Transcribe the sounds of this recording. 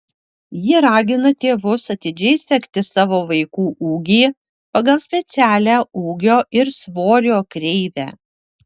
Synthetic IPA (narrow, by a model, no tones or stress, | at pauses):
jɪɾɑːɡʲɪnɐt̪ʲeːʋʊsɐt̪ʲɪd͡ʒʲɛɪsʲɛkʲt̪ʲɪsɑːʋoːʋɐɪkuːʔuːɡʲiː | pɐɡɐlˠsʲpʲɛt̪sʲæːlʲæːʔuːɡʲoːʔɪɾsʋoːɾʲoːkɾʲɛɪʋʲæ̰ː